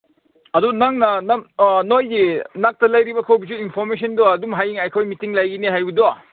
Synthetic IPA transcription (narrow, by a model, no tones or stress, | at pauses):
ɐdunaŋnɐnanojɡinak̚tɐlɐjɾibɐkʰowbisuinpʰɔɾmes̬ʰɔndoɐdumɦajiŋajkʰojmitiŋlajɡiniɦajbidoa